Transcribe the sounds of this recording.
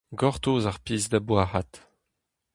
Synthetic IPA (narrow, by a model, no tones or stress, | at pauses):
ɡɔʁtoːzaʁpiːzd̪abwaːhat